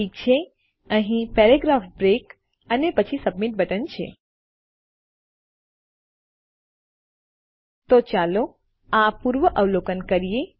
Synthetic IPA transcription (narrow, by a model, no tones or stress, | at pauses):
ik̚t͡ʃʰe | əɦĩpeɾeɡɾafbɾek | ənepət͡ʃʰisəbmiʈ̚bʱəʈənt͡ʃʰḛ | t̪ot͡ʃalo | apuɾʋəʔəʋlokənkəɾije